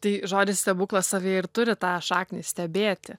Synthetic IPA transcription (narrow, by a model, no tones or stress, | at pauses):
t̪ɐɪʒoːd̪ʲɪsʲt̪ʲɛbuːklˠɐssɐʋʲeːɪɾt̪ʊɾʲɪt̪ɑːʃɑːknʲisʲt̪ʲɛbʲeːt̪ʲɪ